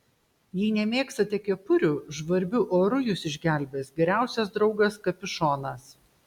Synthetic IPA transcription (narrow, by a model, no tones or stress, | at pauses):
jiːnʲɛmʲeːkst̪ɐt̪ʲiɛkʲiɛpʊɾʲuːʒʋɐɾʲbʲʊʔoːɾʊjʊsɪʒʲɡʲæˑlʲbʲeːsɡʲɛɾʲæˑʊsʲɛs̬d̪ɾɒʊɡɐskɐpʲɪʃoːnɐs